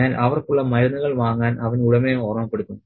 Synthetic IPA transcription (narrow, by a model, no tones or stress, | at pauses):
aːlʔɐʋɐrkuɭːɐmɐɾɐnːɐɣɐɭʋaːŋːaːnʔɐʋɐnuɽɐmeoːrɐmɐpːe̞ɽut̪ːu